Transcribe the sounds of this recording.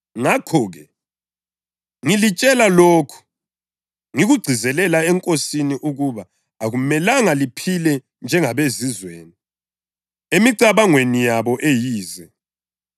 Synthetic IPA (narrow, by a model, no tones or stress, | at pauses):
ŋakʰɔːɣɛ | ŋilit͡ʃʼɛlaloːkʰu̥ | ŋiɣuɡ͡ǀʱizɛlɛlaɛŋkʼosiniʔuɣuβaː | ɣumɛlaŋalipʰilɛ | nd͡ʒʱɛŋaβezizwḛːni | emiǀaβaŋwenijaβɔʔejiːzɛ